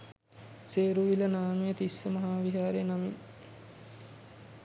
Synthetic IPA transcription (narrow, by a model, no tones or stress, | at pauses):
seːɾuʋilənaːnujət̪isːəmɐɦaːʋiɦaːɾenamiŋ